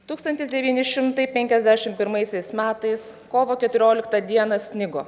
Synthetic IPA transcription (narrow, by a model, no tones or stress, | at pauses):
t̪uːkst̪ɐnʲt̪ʲɪsd̪ʲɛʋʲiːnʲɪʃʲɪmt̪ɐɪpʲɛŋʲkʲɛzʲd̪ʲæːʃʲɪmpʲɪɾmɐɪsʲɛɪsmʲæːt̪ɐɪskoːʋoːkʲɛt̪ʊɾʲoːlʲɪkt̪ɐd̪ʲiɛnɐsʲnʲɪɡoː